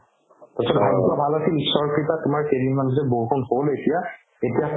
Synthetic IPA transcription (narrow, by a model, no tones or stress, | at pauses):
tɔsɔbʱaɡtabʱalasilisːɔɹkɹitatʊmaɹkeɹimandʱɹɛbokɔnholetija | etija